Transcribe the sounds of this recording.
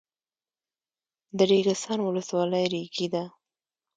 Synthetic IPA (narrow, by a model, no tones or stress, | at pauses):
d̪əɾeɡɪst̪ɑnwʊləswɑləjɾiɡid̪a